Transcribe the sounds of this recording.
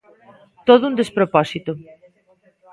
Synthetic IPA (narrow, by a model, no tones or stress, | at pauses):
t̪oðʊund̪espɾopɔsit̪ʊ